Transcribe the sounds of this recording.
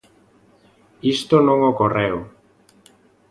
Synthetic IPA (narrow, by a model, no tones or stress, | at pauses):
ist̪onõŋokorew